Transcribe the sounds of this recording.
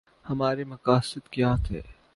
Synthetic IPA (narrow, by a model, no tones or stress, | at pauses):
hɐmaːɾemɐkaːsɪd̪kjaːt̪ʰḛː